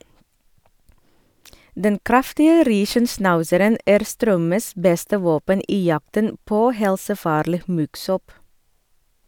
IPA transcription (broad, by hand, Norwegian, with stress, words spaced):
ˈdɛn ˈkɾɑftɪə ˈɾiːʃənˌsnɑʉsəɾən ˈæːɾ ˈstɾœməs ˈbɛstə ˈʋoːpən ˈiː ˈjɑktən ˈpoː ˈhɛlsəˌfɑːɾliː ˈmʉɡˌsɔp